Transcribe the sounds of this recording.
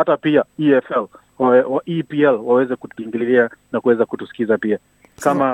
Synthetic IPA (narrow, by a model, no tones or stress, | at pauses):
hatapiaiɛfɛl | waʔipiɛlwawɛzɛkutiŋɡiliianakuwɛzakutusi̥kizapia | kama